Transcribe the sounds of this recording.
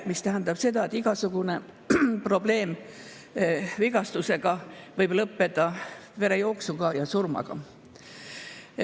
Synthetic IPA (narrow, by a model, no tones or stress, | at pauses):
mist̪æɦænd̪ɑb̥se̞d̪ɑe̞t̪ːˑiɡ̥ɑsuɡ̥une̞ | pro̞ble̞ːm | viɡ̥ɑst̪use̞ɡ̥ɑvɤjb̥lɤpːe̞d̪̥ɑve̞ɾe̞jo̞ːksuɡ̥ɑjɑsurmɑ̰ɡ̥ɑ̰